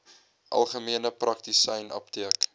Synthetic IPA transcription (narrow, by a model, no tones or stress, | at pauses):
ʔɐ̰lˠχəmiənəprʔɐktisɛjnɐ̰ptiək